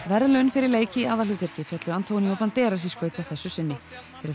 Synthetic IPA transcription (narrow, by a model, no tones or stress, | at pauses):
vɛɾðlʏnfɪɾɪɾleːjcɪiaːðalʏːt̪ɛɾ̥cɪfjat̪lʏant̪ʰoːwnjɔpant̪ɛːɾas̬iskœːɥt̪ɪawθɛsːʏsɪnːɪfɪɾɪɾ